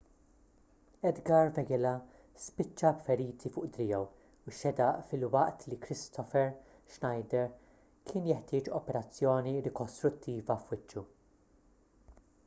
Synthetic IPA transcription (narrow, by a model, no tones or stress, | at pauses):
ɛd̪ɡɐɾvɛɡɛlɐ | spɪt͡ʃːɐbfɛɾiːt̪ʰifʊːʔd̪ɾɪjɛw | uʃɛd̪ɐʔfɪlwɐʔt̪likɾɪst̪ʰɔfɛɾ | ʃnɐjd̪ɛɾ | kʰɪːnjɛħt̪ɪːt͡ʃɔpɛɾɐt͡sːjɔːniɾɪkɔst̪ɾʊt̪ːiːvɐfwɪt͡ʃːu